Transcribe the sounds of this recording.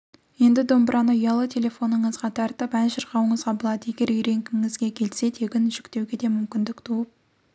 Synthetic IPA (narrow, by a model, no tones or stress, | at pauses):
je̞nd̪ɪd̪o̞mbəɾʔɑnəʊjɑlˠət̪ʲʰe̞lʲe̞fo̞nəɴəzʁɑt̪ʰɑɾt̪əpænʃəɾqɑwəɴəzʁɑbolˠɑd̪əe̞ɡʲe̞ɾʏjɾe̞ŋɡʲɪŋɪzɡʲe̞kʲʰe̞lse̞t̪ʰe̞ɡʲɪnʒʏkt̪e̞wɡʲe̞d̪e̞mʏmkʲɪnd̪ɪkt̪ʰuəp̚